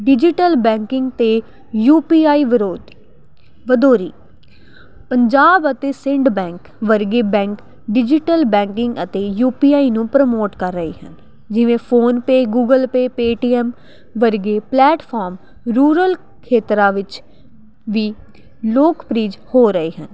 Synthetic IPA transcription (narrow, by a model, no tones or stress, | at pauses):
ɖɪd͡ʒɪʈəlbɛ̃ːŋkɪ̃ŋɡt̪eː | juːpiːaːiːʋɪɾoːd̪ | ʋəd̪oːɾḭː | pəɲd͡ʒaːbət̪eːsɪ̃ɳɖbɛ̃ːŋk | ʋəɾɡeːbɛ̃ːŋk | ɖɪd͡ʒɪʈəlbɛ̃ːŋkɪŋɡət̪eːjuːpiːaːiːnũːpɾəmoːʈkəɾːəḛːɦə̰n | d͡ʒɪʋẽːpʰoːnpeːɡuːɡəlpeːpeːʈiːɛːm | ʋəɾɡeːplɛːʈpʰɔːɾm | ɾuːɾəl | kʰeːt̪ɾaːʋɪt͡ʃ | ʋiː | loːkpɾiːd͡ʒhoːɾəeːɦən